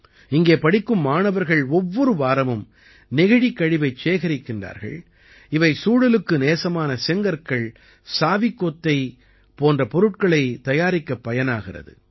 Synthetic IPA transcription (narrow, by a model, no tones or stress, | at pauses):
ɪŋɡeːpɐɽɪkːɯmːaːnɐʋɐɾɣɐɭɔʋːɔɾɯʋaːɾɐmɯm | nɪɣɐɽikːɐɻɪʋɐɪt͡ʃːeːɣɐɾɪkːɪndra̰ːɾɣɐ̰ɭ | ɪʋɐɪsuːɽɐlɯkːɯneːsɐmaːnɐsɛŋɡɐɾkɐɭ | saːʋɪkːoːt̪ːɐɪ | poːndrɐpɔɾɯʈ̚kɐɭɐɪt̪ɐjaːɾɪkːɐpːɐjɐnaːɣɪrɐ̰ðɯ̰